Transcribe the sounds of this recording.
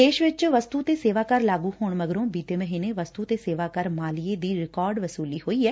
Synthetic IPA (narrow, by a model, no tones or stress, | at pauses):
eːʃʋɪt͡ʃʋəst̪uːt̪eːseːʋaːkəɾlaːɡuːhoːɳməɡɾõːbiːt̪eːməɦiːneːʋəst̪uːt̪eːseːʋaːkəɾmaːlijeːd̪iːɾɪkɔːɾɖʋəsuːliːhoːiːɛː